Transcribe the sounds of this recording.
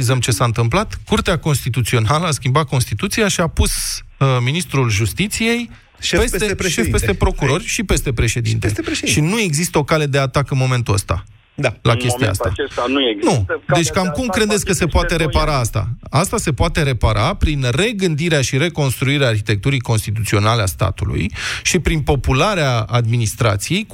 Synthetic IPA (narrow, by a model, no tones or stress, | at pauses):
izəmt͡ʃe̞saɨnt̪ɨmplat̪kurt̪eako̞nst̪it̪ut̪sio̞naləaskʲimbat̪̚ko̞nst̪it̪ut̪sijaʃiapus | minist̪ɾulʒust̪it̪sije̞j | ʃpeseʃefpest̪epɾo̞kuɾo̞rʲʃipe̞st̪e̞pɾe̞ʃe̞d̪ḭnt̪eʃinue̞ɡzist̪əo̞kale̞d̪e̞at̪akɨnmo̞me̞nt̪uəst̪a̰ | lakʲe̞st̪ia̰a̰sanud̪e̞t͡ʃʲkamkumkɾe̞d̪et̪sʲkəse̞poat̪e̞ɾe̞paɾaast̪a̰ast̪ase̞poat̪e̞ɾe̞paɾapɾinre̞ɡɨnd̪iɾeaʃiɾe̞ko̞nst̪ɾuiɾeaːrçit̪e̞k̚t̪uɾijko̞nst̪it̪ut̪sio̞naleast̪a̰t̪ulṵjʃipɾinpo̞pulaɾeaad̪̚minist̪ɾa̰t̪sije̞j